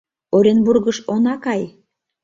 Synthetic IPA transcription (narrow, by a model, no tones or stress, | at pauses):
oɾʲenburɣəʃonɑkɑj